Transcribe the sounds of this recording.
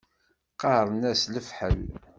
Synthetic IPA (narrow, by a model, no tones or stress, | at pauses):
qɑɾˤnæsləfħəl